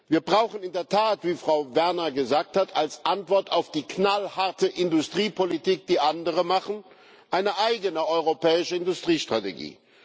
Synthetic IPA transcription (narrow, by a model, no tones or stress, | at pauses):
viːɐbʁaʊxənɪndeːɐtʰaːtv̥iːfʁ̥aʊvɛɐnɐɡəzaːk̚thatʰalsʔantv̥ɔɐtʰaʊfd̥iːknalhaɐtəʔɪndʊstʁ̥iːpʰolitiːk̚d̥iːʔandəʁ̞əmaχn̩ | ʔaɪnəʔaɪɡənəɔʏʁopʰɛːɪʃəɪndʊstʁ̥iːʃtʁ̥atḛɡḭː